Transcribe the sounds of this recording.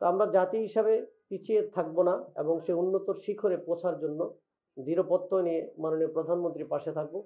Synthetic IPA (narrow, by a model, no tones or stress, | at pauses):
t̪amɾad͡ʑat̪iɦiʃabepit͡ɕʰiet̪ʰak̚bonaḛboŋʃeunːot̪oɾʃikʰoɾepot͡ɕʰaɾd͡ʑonːo | d̪iɾopɔt̪ːonijemanoniopɾod̪ʱanmont̪ɾipaʃet̪ʰak̚bo